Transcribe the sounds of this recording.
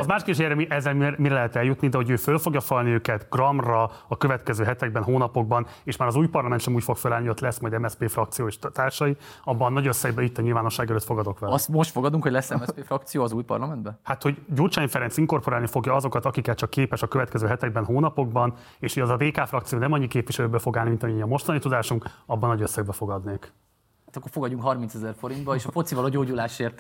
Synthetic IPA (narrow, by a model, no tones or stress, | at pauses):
ɒzmaːʃkeʃ̬eɾɛmiʔɛzːɛlmmiɾɛlɛɦɛt̪ɛljut̪nid̪ɛɦo̞ɟøːfølfo̞ɡjɒfɒlniøːkɛt̪ɡrɒmrɒɒkøvɛt̪kɛzøːɦɛt̪ɛɡ̚bɛnɦoːnɒpo̞ɡ̚bɒneːʃmaːɾɒzuːjpɒrlɒmɛnʃɛmuːcfo̞kfølaːliot̪lɛsmɒjd̪ɛmɛspeːfrɒkt̪sijoːeːʃt̪aːrʃɒjiɒbːɒnːɒɟøsːɛjbɛit̪ːɒɲilvaːno̞ʃːaːɡɛløːt̪fo̞ɡɒd̪o̞kʋɛlsmoʃt̪foɡɒd̪uŋkhoɟlɛsːɛmɛpeːfrɒk̚t̪sijoːɒzuːjpɒ̰rlɒmɛnd̪bɛhat̪ho̞ɟɟurt͡ʃaːjifɛɾɛnsiŋko̞rpo̞ɾaːlnifo̞ɡjɒɒzo̞kɒt̪ɒkikɛt̪t͡ʃɒkːeːpɛʃɒkøvɛt̪̚kɛzøːɦɛt̪ɛɡ̚bɛnɦoːnɒpo̞ɡ̚bɒn | eːʃiɛzɒd̪eːkaːfrɒk̚tsijoːnɛmɒɲːikeːpvʋiʃɛløːbøfo̞ɡaːlnimint̪ɒmiɒmo̞ʃt̪ɒnit̪ud̪aːʃuŋkɒbːɒnnːɒɟøsːɛɡ̚bɛfo̞ɡɒd̪neːk | at̪ɒkːorfoɡɒɟːuŋkɦɒrminsɛzɛrfo̞ɾint̪bɒeːʃɒfo̞t̪sivɒloɟoːɟulaːʃeːrt̪